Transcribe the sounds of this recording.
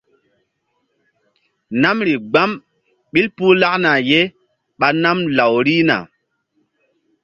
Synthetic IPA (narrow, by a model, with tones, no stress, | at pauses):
na˦mɾi˨ɡ͡ba˦m | ɓi˦lpu˦la˦ʔna˨je˦ | ɓa˨na˦mla˨wɾi˦na̰˨